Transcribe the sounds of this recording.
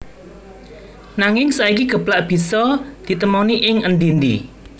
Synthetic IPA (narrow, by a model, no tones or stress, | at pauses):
naŋɪŋsaikiɡ̥ə̤b̥laʔb̥i̤sɔd̪̥i̤t̪əmɔniʔɪŋənd̪ind̪ḭ